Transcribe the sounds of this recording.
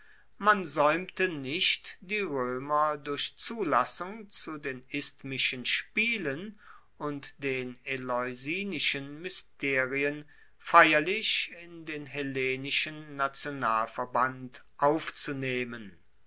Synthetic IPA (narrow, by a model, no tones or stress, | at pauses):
manzɔʏmtənɪʃtd̥iːʁøːmɐdʊɐʃt͡suːlasʊŋt͡sudeːnɪstmɪʃənʃpiːlən | ʊntd̥eːnelɔʏziːnɪʃənmʏstʰeːʁiən | faɪjɐlɪʃɪndeːnɦeleːnɪʃənːat͡sjonaːlfɛɐbant | ʔaʊft͡suneːmən